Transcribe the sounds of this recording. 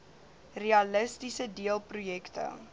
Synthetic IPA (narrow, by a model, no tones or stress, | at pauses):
reɐləstisədiəlˠprujɛktə̰